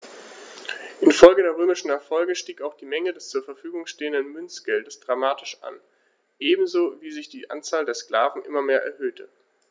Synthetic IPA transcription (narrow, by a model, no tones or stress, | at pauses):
ʔɪnfɔlɡədeːɐʁ̞øːmɪʃn̩ɛɐfɔlɡəʃtiːkaʊxd̥iːmɛŋədɛst͡suːɐfɛɐfyːɡʊŋʃteːəndənmʏnt͡sɡ̥ɛldəsd̥ʁamaːtɪʃa̰n | ʔeːbm̩zoːviːzɪçd̥iːʔa̰nt͡saːldeːɐskl̥aːvn̩ʔɪ̰mɐmeːɐʔɛ̰ɐhøːtʰə